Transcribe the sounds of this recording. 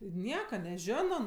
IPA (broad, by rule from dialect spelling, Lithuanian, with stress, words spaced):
ɪ ˈnʲiɛkɐ nʲɛˈʒʲoːnoː